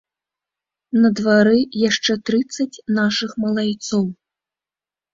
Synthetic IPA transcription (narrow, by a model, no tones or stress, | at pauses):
nɐd̪vaɾɨjaʂt͡ʂɛt̪ɾɨt̪sːɐt͡sʲnaʂɨxmɐlˠajt̪sɔw